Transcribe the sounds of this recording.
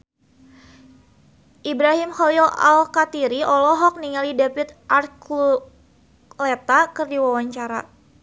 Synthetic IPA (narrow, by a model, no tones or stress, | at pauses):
ʔibɾaɦimxɔlila̰lkat̪iɾiɔlɔɦɔk̚niŋalidapit̪̚ʔarklu | lɛt̪akɨrdiwawaɲt͡ʃaɾa̰